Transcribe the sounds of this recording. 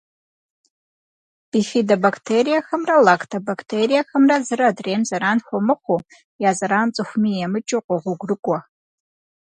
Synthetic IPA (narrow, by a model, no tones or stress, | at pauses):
b̥iχidabakʰtʰeɾijaxəmralakʰtʰabakʰtʰeɾijaxəmrazɨɾaːdremzaɾanxʷomɨχʷo | jazaɾant͡sʼɨxʷmijamɨt͡ʃʼoqʷʼaʁʷʊɡʷrɨkʷʼa